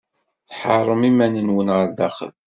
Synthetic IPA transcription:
θħɑrˤːəmimænənwənʁəɾðæχə̰l

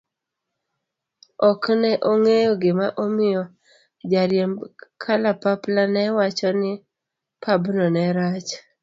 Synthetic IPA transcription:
ɔknɛʔoŋejoɡɪmaʔomɪjɔ | d͡ʒaɾjɛmkʰalapaplanɛwat͡ʃɔnɪ | pʰabnɔnɛɾat͡ʃ

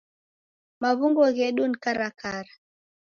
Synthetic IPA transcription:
maβuŋɡɔɣɛɗunikaɾakaɾa

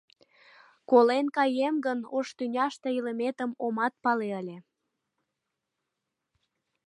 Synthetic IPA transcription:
kolenkɑjemɡənoʃt̪ynʲɑʃt̪eiləmet̪əmomɑt̪̚pɑleəlʲe

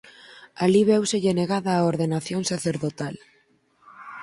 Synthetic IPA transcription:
aliβ̞ɛwseʎeneɣaðaːoɾðenaθjoŋsaθeɾðot̪al

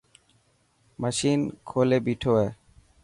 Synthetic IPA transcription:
maʃinkʰolebiʈʰoe

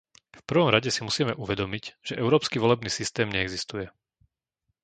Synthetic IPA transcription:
fpr̩ʋɔmɾaɟɛsimusiːmɛʔuʋɛd̪ɔmiɟʒ̥ɛʔɛʊɾɔːpskiʋɔlɛbniːsist̪ɛːmɲɛɛɡzist̪ujɛ

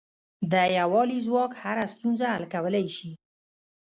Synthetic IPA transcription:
d̪əjawɑlizwɑkhaɾast̪unzaalkawəlajʃi

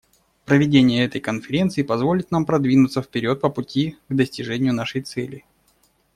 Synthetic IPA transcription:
pɾəvʲɪdʲenʲɪjəɛt̪əjkənfʲɪɾʲe̞nt̪sɨɪpɐzvo̞lʲɪt̪nampɾɐd̪vʲinʊt̪səfʲpʲɪɾʲo̞t̪̚pəpʊtʲiɡd̪əsʲtʲɪʐɛnʲɪjʊnaʂɨjt̪sɛlʲɪ

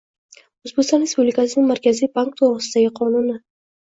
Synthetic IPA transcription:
ʊzbekʲst̪ɒnɾe̞spublɪkasɪnɪŋmaɾkʲʰazijbaŋk̚t̪ʰoɾɾɨsɪd̪aɡʲɪqʰɒnʊnɪ

